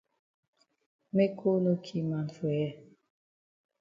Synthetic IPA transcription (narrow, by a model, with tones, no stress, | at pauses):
me˦kʰo˦no˦kʰi˦ma˨nfe˨jɛ˦˨